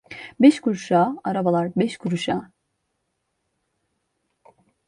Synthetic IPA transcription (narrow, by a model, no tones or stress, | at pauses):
bɛʃkʰuɾʃaːaɾabalˠaɾbɛʃkʰuɾuʃaː